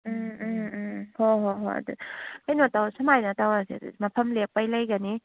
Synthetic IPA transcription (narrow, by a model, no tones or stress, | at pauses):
hoɦoɦoɐ̰dṵajnotawsɐmajnɐtawasḭd̰mɐpʰɐmlek̚pajlɐjɡani